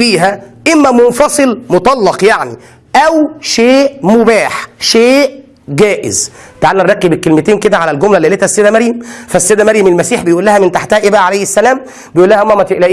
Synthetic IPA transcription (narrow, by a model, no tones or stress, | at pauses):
fiːɦæʔemːæmonfɑsˤɨlmot̪ˤɑlːɑqjaʕni | ʔæwʃeːʔmobæːħʃeːʔ | ɡæːʔɪ̰zt̪ʕalːænɾɑɡibekːelmet̪eːnked̪æʕalælɡomlælːiʔlet̪hæsːeːd̪æmæɾjemfæsːeːd̪æmæɾjæmelmæsiːħbejʔuːlːæhæment̪aħt̪æhæʔebæʕalæjesːælæːm | bejʔulːæhæʔomːæmæt̪eʔlæʔiː